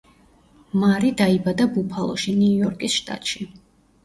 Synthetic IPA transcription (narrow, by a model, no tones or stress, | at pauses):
maɾid̪aibad̪abupʰalˠɔ̰ʃiniujɔɾkʼisʃt̪ʼa̰t̪ʼʃi